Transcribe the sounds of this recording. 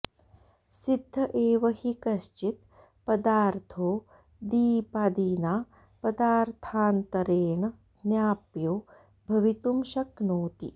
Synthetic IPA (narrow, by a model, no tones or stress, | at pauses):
sid̪ʱːɐʔeːʋɐhikɐʃt͡ʃit̪ | pɐd̪aːɾt̪ʰoː | d̪iːpaːd̪iːnaː | pɐd̪aːɾt̪ʰaːnt̪ɐɾeːɳɐ | njaːpjoː | bʱɐʋit̪umʃɐknoːt̪ḭ